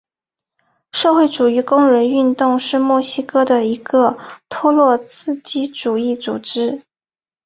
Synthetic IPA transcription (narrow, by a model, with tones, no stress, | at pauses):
ʂɤ˥˧xwe˥˩ɪʈ͡ʂu˨˩y˧˥kʊ˥ŋɻə˧˥ny˥˧nt̪ʊ˥˧ŋʂɻ̩˥˧mwɔ˥˩ɕi˥kɤ˥d̪ə˨i˧˥ɡə˧t̪ʰɔ˥lwɔ˥˧t͡sʰɹ̩˥˩t͡ɕi˥ʈ͡ʂu˨˩i˥˩t͡sṵ˨˩ʈ͡ʂɻ̩˥